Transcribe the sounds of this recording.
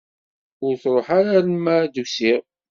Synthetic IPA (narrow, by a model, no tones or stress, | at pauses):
ʊɾθɾˤoħaɾaɾəmːæd̪usiʁ